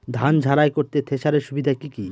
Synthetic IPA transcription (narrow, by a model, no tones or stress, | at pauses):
d̪ʱand͡ʑʱaɾajkoɾt̪et̪ʰeʃaɾeɾʃubid̪ʱaekiki